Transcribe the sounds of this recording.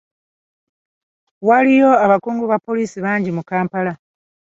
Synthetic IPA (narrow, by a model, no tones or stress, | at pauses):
walijo̞aβakuːŋɡuβapːo̞liːsiβaːɲɟimukaːmpala